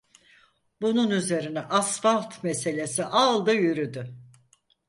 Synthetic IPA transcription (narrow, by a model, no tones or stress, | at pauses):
bununyze̞ɾinɛʔasfalˠt̪mese̞lʲe̞siʔalˠd̪ɯjyɾyd̪y